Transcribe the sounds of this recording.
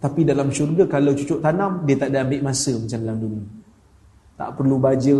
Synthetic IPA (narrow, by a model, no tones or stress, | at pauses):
t̪apidalamʃurɡakalawt͡ʃut͡ʃʊʔt̪anamdiət̪aʔdaːmbɪʔmasəmat͡ʃamlamduni | t̪a̰ʔpərlubad͡ʒə